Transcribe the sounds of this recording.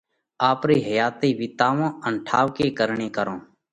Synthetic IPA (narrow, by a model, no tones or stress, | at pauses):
aːpɾiːɦəjaːt̪eːʋiːt̪aːʋõːəɳʈʰaːʋkeːkəɾɳeːkəɾõː